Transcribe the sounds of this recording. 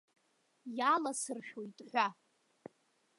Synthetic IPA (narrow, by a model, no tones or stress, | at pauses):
jalasɨrʃᶣojtʼħᶣʷa